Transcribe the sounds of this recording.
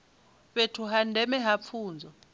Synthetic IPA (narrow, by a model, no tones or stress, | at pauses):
ɓetʰuɦandʱɛmɛɦap̪fʰuːnd͡zʱɔ